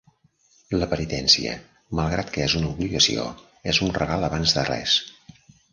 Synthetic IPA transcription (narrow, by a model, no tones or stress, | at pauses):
ləpənit̪ɛnsiə̰ | məlˠɣɾat̪kəezunəuβliɣəsḭo̰ | ɛzunrəɣalˠəβanzðərɛ̰s